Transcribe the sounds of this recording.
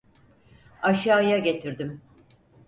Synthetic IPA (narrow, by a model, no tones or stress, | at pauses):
aʃaːjaɟe̞t̪ʰiɾd̪im